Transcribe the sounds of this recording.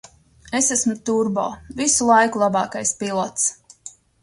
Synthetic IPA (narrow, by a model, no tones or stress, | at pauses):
esæsmut̪uɾbɔ̰ːvisulˠajkulˠabɑːkajspilˠɔt̪s